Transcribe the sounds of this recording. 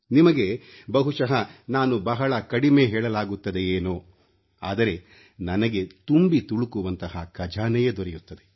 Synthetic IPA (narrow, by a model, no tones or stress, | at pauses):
nimɐɡe̞ | bɐɦuʃɐɦɐnaːnubɐɦɐɭɐkɐɽime̞ːɦɛːɭɐlaːɡut̪ːɐd̪e̞jeːnuː | a̰ːd̪ɐɾe̞ | nɐnɐɡe̞t̪umbit̪uɭukuʋɐnt̪ɐhɐkɐd͡ʒaːnɛjɐd̪ɔɾɛjut̪ːɐd̪e